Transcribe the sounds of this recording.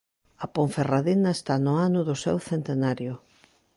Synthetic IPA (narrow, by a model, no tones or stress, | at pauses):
ɐpoɱferaðinaest̪anʊanʊðʊsɛ̰wθent̪enaɾjʊ